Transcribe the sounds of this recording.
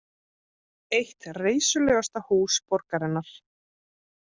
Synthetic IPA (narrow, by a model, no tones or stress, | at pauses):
ejht̪reːjsʏlœːɣast̪ahuːspɔɾkaɾɪnːaɾ̥